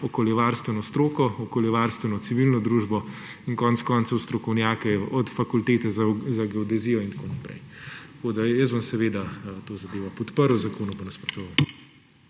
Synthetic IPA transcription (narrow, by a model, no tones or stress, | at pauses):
ɔkoljɛʋaːɾst̪ʋɛnɔst̪ɾoːkɔɔkoːljɛʋaɾst̪ʋɛnɔt̪siʋilnɔd̪ɾuʒbɔ | inkɔnt̪skɔnt̪sɐwst̪ɾɔkɔwnjaːkɛɔt̪fakult̪eːt̪ɛzazaɡɛɔd̪ɛzijɔint̪akonapɾɛ̰jtt̪koːd̪ajəszbɔmsɛʋeːd̪at̪oːzɐd̪eːʋapɔt̪pəɾwzakoːnupɐnɐspɾɔt̪ɔʋal